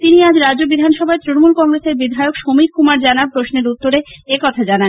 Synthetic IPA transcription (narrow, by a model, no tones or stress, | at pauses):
t̪iniad͡ʑɾad͡ʑobid̪ʱanʃɔbʱaet̪ɾinomulkɔŋɾeseɾbid̪ʱaeokʃomikːumaɾd͡ʑanapɾoʃneɾut̪ːoɾeekɔt̪ʰad͡ʑanan